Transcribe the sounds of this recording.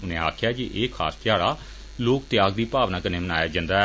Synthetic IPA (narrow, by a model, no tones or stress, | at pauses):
ʊnẽːa̰ːkʰjaːd͡ʒiʔeːkʰa̰ːst̪ɪjaːɽaː | loːkt̪ɪjaːɡd̪iːpaːʋnãːkənẽːmənaːjaːd͡ʒãːnd̪aːɛ